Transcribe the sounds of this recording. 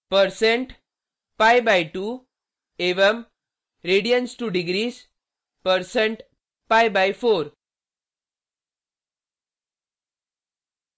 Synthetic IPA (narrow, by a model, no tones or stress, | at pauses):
pəɾsẽɳʈ | pajbajʈuː | eʋəm | ɾeɽijənsʈuɖiɡɾiːs | pəɾseɳʈ | pajbajfoɾ